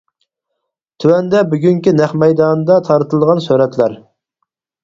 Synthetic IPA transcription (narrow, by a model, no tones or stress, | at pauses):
t̪ʰywɛnd̪ɛbyɡʲyŋkʲinæχmɛjd̪ɑːnd̪ɑt̪ʰɑɾɨt̪ʰɨlˠʁɑnsøɾɛt̪ʰlæɾ